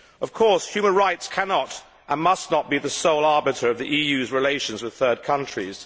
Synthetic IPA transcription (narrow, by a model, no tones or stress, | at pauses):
ʌv̥kʰɔɹshjʉmə̃nɹaɪtskʰænɑɾ | ʔə̃nmʌsnət̚b̥iðɨsoʊlˠɑɹbɨɾə˞ʌvðiʔijʉzɹɨleɪʃɨ̃nzwɨð̥θɜ˞d̚kʰʌ̃nt͡ʃɹ̥ḭz̥